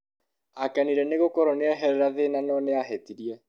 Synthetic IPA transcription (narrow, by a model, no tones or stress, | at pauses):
akɛniɾɛneɣokɔɾɔneɛɦɛɾɛɾaðenanɔːneaɦɛtiɾiɛ